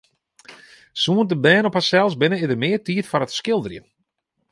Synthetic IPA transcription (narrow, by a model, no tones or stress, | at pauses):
suəntəbɛːnɔphasɛlˠsbɪnəɪdərmɪərtiːtfɔɾətskɪlˠdərjə̰